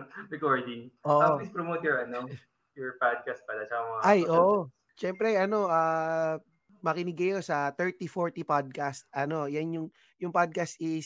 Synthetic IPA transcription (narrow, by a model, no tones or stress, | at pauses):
ɾɛkoɹd̪ɪŋʔoːʔaispɾomot̪ɛɹɐno | jɔɹpad̪̚kast̪̚pɐlat͡ʃɐkamɐŋajʔoːʔo | ʃɛmpɾɛʔɐno̞ʔaː | mɐkɪnɪɡɐjosɐt̪ɛɹt̪ifoɹt̪ipad̪̚kast̪̚ʔɐno̞janjʊŋ | jʊŋpad̪̚kast̪ʔɪs